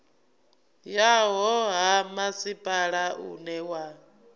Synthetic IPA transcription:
jaɦɔɦamasipʼaɺaʔṵnɛwa

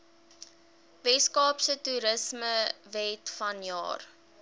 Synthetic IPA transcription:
vɛskɑːpsətuːɾəsməvɛtfɐnjɑ̰ːr

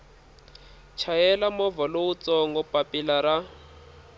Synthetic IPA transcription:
t͡ʃʰajɛlamɔvɔlout͡sɔŋɡɔpʼapilaɾa

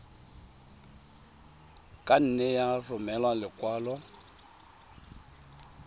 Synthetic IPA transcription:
kʼan̩nɛjarʊmɛlwalɪkʼwaːlɔ

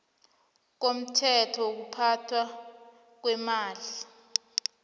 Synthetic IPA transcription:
k̬om̩tʰɛtʰɔok̬upʰatʰwa | k̬wɛmaːli

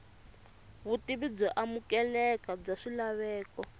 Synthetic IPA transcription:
βutiβib͡ʐɔʔamukɛlɛkab͡ʐaʂilaβɛːkɔ

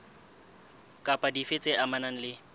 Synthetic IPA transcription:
kʼapʼadifet͡sʼeʔamanaŋ̩lɪ

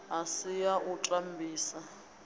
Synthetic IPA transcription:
asijaʔuǁʼam̩bʱiːsa

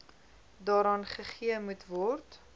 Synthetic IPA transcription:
dɑːɾɑːnχəχiəmutvɔrt

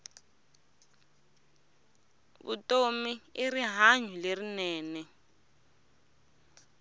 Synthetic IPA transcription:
βṵtʼomiiriɦaɲulerinɛːnɛ

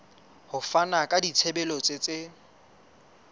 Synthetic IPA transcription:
hʊfanakʼadit͡sʰebɛlɔt͡sʼet͡sʼe

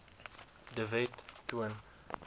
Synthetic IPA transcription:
dəvɛtːuən

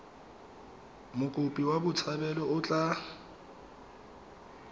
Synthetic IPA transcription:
mʊkʼʊpʼiwabʊt͡sʰabɛlɔʊt͡ɬʼa

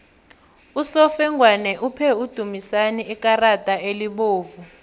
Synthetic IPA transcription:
usɔfɛŋɡwanɛʔupʰɛud̥ʱumisaniikʼaratʼaeliɓoːvu

